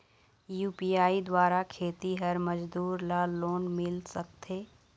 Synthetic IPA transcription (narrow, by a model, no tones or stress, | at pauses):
juːpiaːid̪waːɾakʰeːt̪iɦɐɾmɐd͡ʒd̪uːɾlaːloːnmɪlsɐk̚t̪ʰeː